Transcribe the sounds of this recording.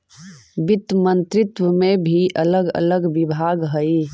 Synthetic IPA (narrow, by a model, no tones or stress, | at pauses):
bɪt̪mə̃nt̪ɾɪt̪wəmẽbʱiʔələɡə̰ləɡʋɪbʱaːɡɦəi